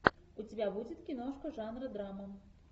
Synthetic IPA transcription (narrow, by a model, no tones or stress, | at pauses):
ut͡sʲabʲabud͡zʲɛt̪kʲinɔʂkɐʐanɾɐd̪ɾamɐ